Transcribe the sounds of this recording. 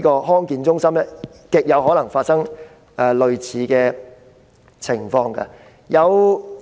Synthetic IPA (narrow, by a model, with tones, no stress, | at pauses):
kɔː˧ɦɔː˥ŋkiː˧nt͡sʊ˥ŋsɐ˥mɛ˥ | kɪ˨k̚jɐ˨˧wɦɔ˨˥lɐ˨˩ŋfaː˧t̚sɐ˥ŋ | ʔɛː˨lɵ˨˧ɥt͡sʰiː˨˦kɛː˧ | t͡sʰɪ˨˩ŋfɔː˧ŋkɐ̰˧ | jɐ˨˧w